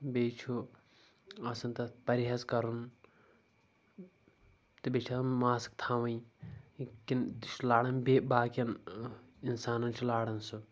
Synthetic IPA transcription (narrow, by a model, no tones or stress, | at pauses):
beːt͡ʃʰu | ɐsɐnt̪ɐpɐɾiɦɐzkɐɾun | t̪ɨbet͡ʃʰɐnmaːsi̥k̚t̪ʰaːʋɐ̃i | kint̪t͡ʃʰulaːɽɐnbeːbaːkʲɐn | insaːnɐnt͡ʃʰulaːɽɐnsu